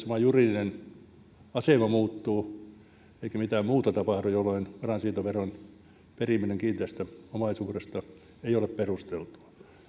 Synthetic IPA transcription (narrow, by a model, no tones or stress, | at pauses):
sɑmɑjurilinen | ɑsemɑmuːt̪ːuː | eikæmit̪æːmmuːt̪ɑt̪ɑpɑhdujolːˑoinpɑrɑnsiːnt̪oʋeron | perimːineŋkiːnt̪æst̪æomɑsuːrest̪ɑ | eiolepperust̪elt̪u̥ɑ̥